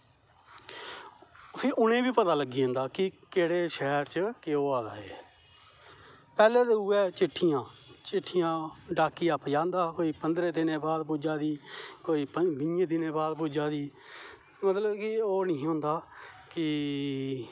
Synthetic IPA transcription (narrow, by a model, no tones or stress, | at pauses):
pʰɪɾʔʊnẽːbiːpət̪aːləɡiːõnd̪aːkɪkeːɽeːʃɛːɾt͡ʃəkeoːaːd̪a̰ːḛː | pɛːleːd̪eʊːɛːt͡ʃɪʈʰːɪjãːt͡ʃɪʈʰːɪjãːɖaːkiːaːpjãːnd̪aːkoːiːpənd̪ɾeːd̪ɪnẽːbaːd̪puːd͡ʒaːd̪iːkoːiːpbɪjẽːd̪ɪnẽːbaːd̪puːd͡ʒaːd̪iː | mət̪ləbkɪoːnɪĩːɦõːnd̪aːkɪ